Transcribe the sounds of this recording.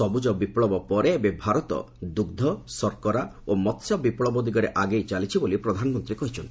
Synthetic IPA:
sɔbud͡ʒɔbipɭɔbɔpɔɾeːbebʱaɾɔt̪ɔ̰ | d̪uɡd̪ʱɔsɔɾkɔɾaomɔt̪sjɔbipɭɔbɔd̪iɡɔɾeʔaɡejt͡ʃalit͡ʃʰibolipɾɔd̪ʱanɔmɔnt̪ɾikɔɦit͡ʃʰɔnt̪i̥

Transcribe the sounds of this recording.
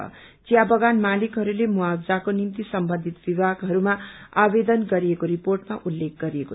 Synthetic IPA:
ʌ̰ | t͡sijabʌɡanmalikɦʌɾulemuabd͡zakonimt̪isʌmbʌnd̪ʱit̪bibʱaɡɦʌɾumaabed̪ʌnɡʌɾiekoɾiporʈmaʔulːek̚ɡʌɾieko

